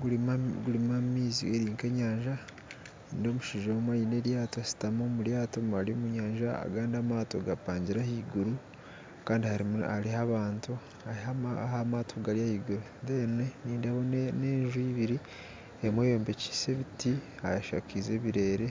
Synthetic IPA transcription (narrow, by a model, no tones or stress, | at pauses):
ɡuaɡuɾimamiːzḭeɾiːŋkeɲaːɲʒa | iːndomuʃiʒomwajine̞ɾjaːtoasi̥tamomuɾjaːtomaɾiomuɲaːɲʒaa̰ɡaːndamaːtoɡapaːɲɟiɾahiːɡuɾu | kaːndihaɾiaɾihaβaːntu | aihaahamaːtʰoɡaɾijahiːɡuɾundeneniːndaβonneːɲʒuiβiɾi | emwejoːmbe̞ci̥se̞βitihajaʃa̰kize̞βiɾe̞ːɾe̞